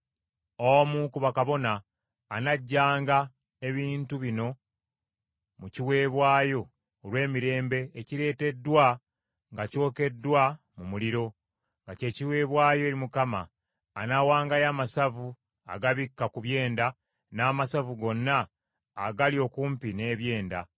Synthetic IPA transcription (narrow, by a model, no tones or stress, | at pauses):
omukuβakaβo̞naː | naɟːaːŋɡa | e̞βiːntuβino̞ | muciwe̞ːβwaːjo̞ː | lwe̞ːmiɾe̞ːmbe̞ːciɾe̞ːte̞dːwa | ŋɡaco̞ːke̞dːwa | mumuliɾo̞ | ŋɡace̞ːciwe̞ːβwaːjo̞eɾimukamaː | nawaːŋɡajaːmasavu | a̰ɡaβikːakuβje̞ːnda | naːmasavuɡo̞nːaː | ɡalio̞kuːmpine̞ːβje̞ːnda